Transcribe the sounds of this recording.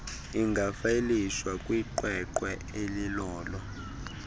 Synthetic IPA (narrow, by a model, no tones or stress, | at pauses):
iŋɡʱafaeliswakʼwiǃwɛǃwɛ | elilɔːlɔ